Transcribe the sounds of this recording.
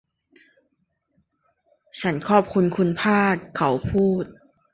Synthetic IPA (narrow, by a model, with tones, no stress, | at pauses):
t͡ɕʰa˦˥nkʰɔː˥˩p̚kʰu˧nkʰu˧npʰaː˥˩t̪̚kʰa˨˩˦wpʰuː˥˩t̪̚